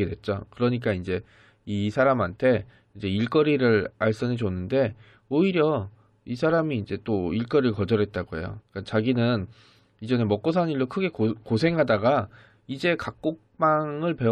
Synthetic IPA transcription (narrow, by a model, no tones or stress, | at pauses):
edwe̞t̚t͡ɕ͈o̰kɯɾʌɲik̬͈aind͡ʑe̞ | isʰaɾamantʰe̞ | ind͡ʑe̞iɭk͈ʌɾiɾɯɾaɭs͈ʌnet͡ɕonːɯnde̞ | oiɾjʌ | isʰaɾamiːnd͡ʑe̞t͈oiɭk͈ʌɾiɭkʌd͡ʑʌɾɦe̞t̚t͈aɡoɦe̞̰jo̰k͈at͡ɕaɡinɯn | id͡ʑʌne̞mʌk͈os̬ʰaniɭːokʰɯɡe̞kkosʰe̞ŋɦadaɡa | id͡ʑe̞kak̚k͈ok̚p͈aŋɯɭpe̞